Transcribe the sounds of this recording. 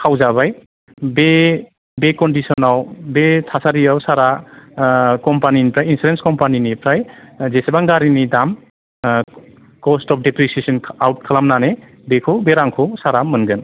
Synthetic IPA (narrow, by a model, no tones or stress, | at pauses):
kʰawzaβaj | be | bekɔndisɔnawbetʰasaɾiawsaɾa | kɔmpaninipʰɾajinsulenskɔmpaninipʰɾajzesebaŋɡaɾinidam | kɔstɔp̚ʰdepɾisesɔnʰawt̚kʰalamnane | bekʰobeɾaŋkʰɔwsaɾamɯnɡɯn